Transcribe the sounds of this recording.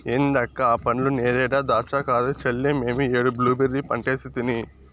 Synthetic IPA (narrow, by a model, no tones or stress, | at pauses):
eːnd̪ɐkːɐaːpɐnluneːɾɛːɽaːd̪aːt͡ʃakaːd̪ut͡ʃelːeːmeːmieːɽubluːbeɾːipɐɳʈeːsit̪ini